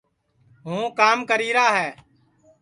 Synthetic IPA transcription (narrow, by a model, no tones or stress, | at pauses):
ɦũːkaːmkəɾiːɾaːɦɛː